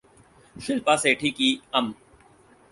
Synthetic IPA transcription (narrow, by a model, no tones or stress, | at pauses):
ʃɪlpaːseːʈʰiːkiːɐm